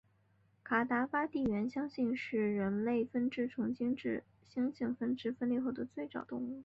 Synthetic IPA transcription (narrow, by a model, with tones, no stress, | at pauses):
kʰa˨˩t̪a˧˥fa˥t̪i˥˩ɥɛ˧˥nɕjɑ˥ŋɕi˥˧nʂɻ̩˥˩ɻə˧˥nle˥˩ɪfə˥nʈ͡ʂɻ̩˥˩ʈ͡ʂʰʊ˧˥ŋɕi˥ŋʈ͡ʂɻ̩˥˩ | ɕjɑ˥ŋɕi˥˩ŋfə˥nʈ͡ʂɻ̩˥˧fə˥nlɛ˥˧xo˥˩ʊd̪ə˩t͡swe˥˩ɪʈ͡ʂɑ˨˩ʊt̪ʊ̰˥˧ŋu˥˩